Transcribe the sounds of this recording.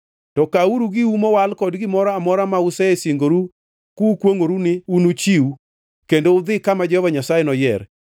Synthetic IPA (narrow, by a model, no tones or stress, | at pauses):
tɔkauɾuɡɪumɔwalkɔdɡɪmɔɾɔamɔɾamaʊsɛesiŋɡoɾu | kukwoŋoɾunɪunut͡ʃiu | kendoʊd̪ɪkamad͡ʒɔɔvaɲasajɛnɔjɛɾ